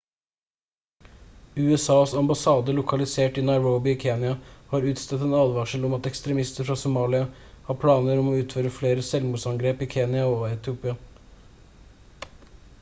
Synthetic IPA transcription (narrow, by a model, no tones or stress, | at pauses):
ʉːɛsɑːsɑmbɑsɑːd̪əlʊkʰɑlɪseːʈiːnɑɪɹoʊbɪiːkʰeːnjɑhɑːɾʉːt̪st̪ɛt̪ɛːnɑːd̪ʋɑːʂəlɔmɑt̪ɛkst̪ɾɛmɪst̪əɾfɾɑːsʊmɑːlɪɑ | hɑːpʰlɑːnəɾɔmoːʉːt̪føːɾəfleːɾəsɛlmuːsɑŋɡɾeːpiːkʰeːnɪɑoɛt̪ʰɪuːpɪɑ